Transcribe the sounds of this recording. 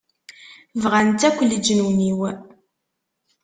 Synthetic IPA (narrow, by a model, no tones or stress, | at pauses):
vʁant̪ækʷːəlːəd͡ʒənwəniw